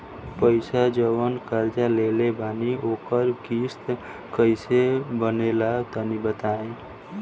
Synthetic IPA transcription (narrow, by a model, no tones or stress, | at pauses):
pəɪsad͡ʒəʋənkəɾd͡ʒalelebʱaniokəɾkist̪ | kəɪsebənelat̪ənibət̪aẽ